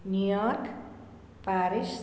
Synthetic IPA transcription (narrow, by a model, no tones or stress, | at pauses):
njujɔrk | paɾis